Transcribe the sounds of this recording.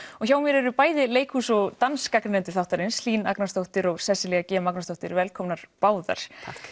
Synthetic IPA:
ɔçjaːwmjɛɾɛɾʏpaːjðɪleːjkʰhuːsɔɣt̪anskaknnɛnt̪ɪ̥θawht̪aɾɪnsliːna̰knast̪owht̪ɪɾɔɣsɛsɪlɛɣacɛːmaknast̪owht̪ɪɾvɛlkʰɔmnaɾ̥paːwða̰ɾ̥ʰ

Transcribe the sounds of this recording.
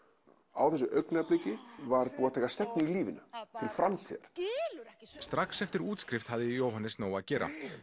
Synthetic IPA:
a̰wθɛsʏʔœɥknɛplicɪvaɾpuːat̪ʰaːjkast̪ɛpnɪiliːvɪnʏt̪ʰɪlfɾamt̪ʰḭðaɾ̥ | st̪ɾaksɛft̪ɪɾuːt̪skɾɪft̪haðɪjoːwɦanːɪsnoːwacɛːɾa̰

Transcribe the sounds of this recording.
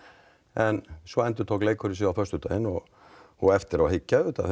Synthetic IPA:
ʔɛnsɔɛnt̪ət̪ʰokleɪkʰɔɾɪs̬iːafœʂt̪ʉːt̪ahɪnːɔ | ɔɛft̪əɾɔhɪcːaʉːt̪ɑ̰

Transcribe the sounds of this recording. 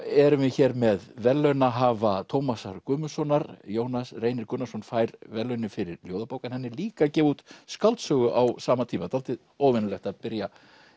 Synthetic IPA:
ɛɾʏmvɪçɛːɾmɛðvɛlːœɥnaɦaːvat̪ʰowmasa̰ɾkʏːmʏsɔnaɾjoːwnasreːjnɪɾkʏnasɔnfaːjɾvɛlːœɥnɪfɪɾɪɾljoːwðapoːwkanhɛnːɪliːkacɛːvuːt̪skalt̪sœːɣʏʔawsaːmat̪ʰiːmat̪ʰalt̪ɪð | oːwvɪnʏlɛht̪aðpɪɾja

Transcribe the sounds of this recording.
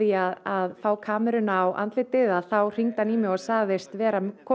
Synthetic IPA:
iaðaðfaːwkʰaːmɛɾʏnaːwʔa̰nt̪lɪt̪ːɪðaðθawr̥iŋt̪aniːmɪɣɔɣsaːɣðɪst̪vɛːɾakʰɔ

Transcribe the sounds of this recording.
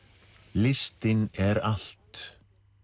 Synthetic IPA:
lɪst̪ɪnɛɾal̥t̪

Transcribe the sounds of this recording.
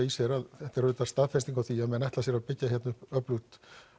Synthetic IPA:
isɛɾaðθɛht̪ɛɾʏt̪ːast̪aðfɛst̪iŋkawθiaðmɛðnajht̪lasjɛɾapɪcːaçjɛt̪nʏpœplut̪

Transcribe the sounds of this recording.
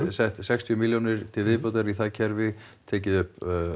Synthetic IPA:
sɛht̪sɛkst̪ʰiʏmiljonɪɾ̥t̪ʰɪlvɪðpowt̪aɾiθacʰɛɾvɪt̪ʰɛːcɪðʏhp

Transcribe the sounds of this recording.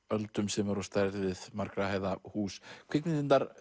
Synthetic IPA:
œlt̪ʏmsɛmɛɾɔst̪ajɾt̪ɪðɪðmaɾkɾahaːjðahuːskʰvɪknɪðɪnt̪ːaɾ

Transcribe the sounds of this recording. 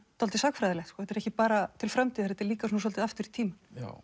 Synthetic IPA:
t̪ɔlt̪ɪsaːkfɾajðalɛht̪kɔːθɛt̪ɛɾɛhcɪpaːɾat̪ʰɪlfɾamt̪iːðθɛt̪ːɛɾliːkasɔnasɔlɪðaft̪ʏɾit̪ʰiːmɪn

